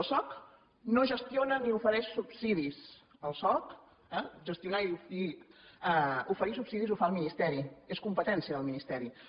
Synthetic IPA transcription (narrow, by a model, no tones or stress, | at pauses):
lˠsɔk | noʒəst̪ionəniufəɾɛʃsupsiðis | əlˠsɔk | ɛʒəst̪iunaiufəɾi | ufəɾisupsiðizufaəlˠminist̪ɛɾieskumpət̪ɛnsiəðəlˠminist̪ɛɾi